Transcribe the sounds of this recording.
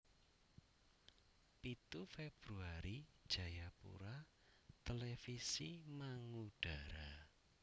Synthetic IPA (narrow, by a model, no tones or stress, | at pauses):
pit̪ufeb̥ɾuaɾid̥ʒ̥a̤japṵɾa | t̪elefisimaŋuɖ̥a̤ɾa